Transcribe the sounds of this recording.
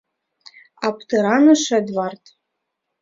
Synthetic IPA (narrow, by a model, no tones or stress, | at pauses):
ɑpt̪ɤ̆ɾɑnɤ̆ʃɘ̆d̪vɑrt̪